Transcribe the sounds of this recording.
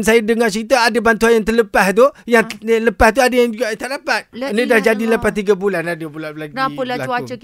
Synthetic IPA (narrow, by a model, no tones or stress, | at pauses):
nsajadəŋat͡ʃəɾit̪aadəbant̪uanjaŋt̪ərləpaht̪ujaŋləpaht̪̬uadajaŋd͡ʒuɡat̪aʔdapat̪̚nidahd͡ʒadiləpat̪iɡabulanadəbulalaaəlaaə